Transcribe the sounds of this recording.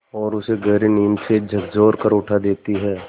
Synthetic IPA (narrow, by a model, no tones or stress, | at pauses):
ɔːɾʊseɡɛːɾeniːnsed͡ʒʱɐkd͡ʒoːɾkəɾʊʈʰad̪eːt̪iɦɛː